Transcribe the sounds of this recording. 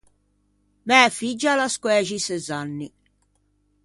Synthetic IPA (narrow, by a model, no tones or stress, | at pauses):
mɛfid͡ʒːalaskwɛːʒisɛzanːi